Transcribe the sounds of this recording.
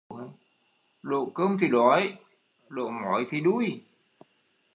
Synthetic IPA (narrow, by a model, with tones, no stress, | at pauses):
ɗo̰˧˨kəː˧mt̪ʰi˨˩ɗɔ˨˦j | ɗo̰˧˨mɔ˨˦jt̪ʰi˨˩ɗu˦˥j